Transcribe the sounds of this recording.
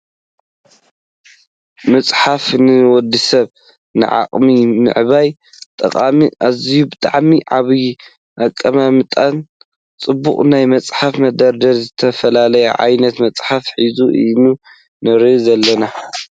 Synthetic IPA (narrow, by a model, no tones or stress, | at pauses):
mɐt͡sʼħafnɨwɔd̪ːisɐβ | nɨ̰ʕa̰qʼminɨ̰ʕɨβaj | t̪ʼɐqʼamʔazijubɨt̪ʼaʕmiʕaβi | ʔakʼːɐmamɨt̪ʼan | t͡sʼɨbːṵχʼnajmɐt͡sʼħafmɐd̪ɐɾd̪ɐlzɨt̪ʰɐfɐlalɐjɛ̰ʕa̰jnɐt̪mɐt͡sʼħafħizuʔɨ̰nu | nɐɾɨzɐlːɐna